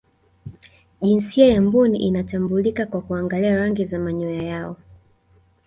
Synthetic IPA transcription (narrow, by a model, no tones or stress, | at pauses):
ʄinsiajambunḭʔinatambulikakwakuaŋɡaliaɾaŋɡizamaɲɔjajaɔ